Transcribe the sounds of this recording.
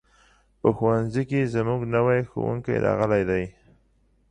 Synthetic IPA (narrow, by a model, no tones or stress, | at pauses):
pəxuwanzikezmuɡnawajxo̰wṵŋka̰jɾɑ̰ɣəlajd̪aj